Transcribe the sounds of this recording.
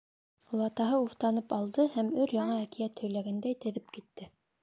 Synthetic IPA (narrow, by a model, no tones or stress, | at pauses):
ulˠɑt̪ɑɦɤuft̪ɑnɤpɑlˠd̪ɤhæmɵɾjɑɴɑækijæt̪ʰɵ̆jlæɡænd̪æjt̪ɘ̆ðɘpkit̪ːɘ